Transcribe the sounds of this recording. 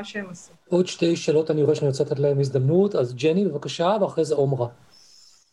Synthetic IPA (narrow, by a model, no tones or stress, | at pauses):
ʃem | o̞d̪ʃte̞jʃeːlo̞tanioeʃenot͡set̪elehemizd̪amnut̪azd͡ʒenibevakaʃaveaχezeomʁa